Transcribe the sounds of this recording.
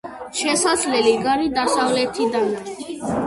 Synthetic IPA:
ʃɛsad̪zlɛliɡaɾid̪asavlɛt̪ʰid̪an

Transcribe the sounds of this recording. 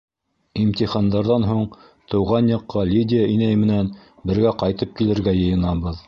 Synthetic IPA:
imt̪ʲiχɑnd̪ɑɾðɑnɦuɴ | t̪ɤ̆wʁɑnjɤ̆qːɑlʲidʲɪjainæjmɘ̆nænbɘ̆ɾɡæqɑjt̪ɤp̚kilɘ̆ɾɡæjɤ̆jɤ̆nɑβɤð

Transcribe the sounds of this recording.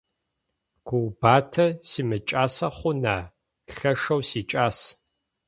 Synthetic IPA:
ɡ̥ʷʊwbaːtʰɐsiːmɨt͡ʃʼaːsɐχʷʊnaː | ɬɐʂɐwsiːt͡ʃʼaːs

